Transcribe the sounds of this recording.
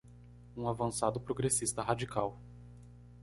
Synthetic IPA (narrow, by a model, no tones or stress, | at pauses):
ũavɐ̃sad̪ʊpɾoɡɾesist̪ɐhad͡ʒikʰaw